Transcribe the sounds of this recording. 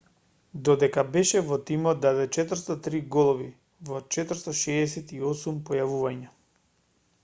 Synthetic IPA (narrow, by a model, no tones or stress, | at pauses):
d̪ɔd̪ɛkabɛʃɛvɔt̪imɔd̪̚d̪adɛt͡ʃɛt̪vrɾst̪at̪ɾiɡɔlˠɔvi | vɔt͡ʃɛt̪vɾst̪aʃɛːsɛt̪iɔsumpɔjavuvaɲa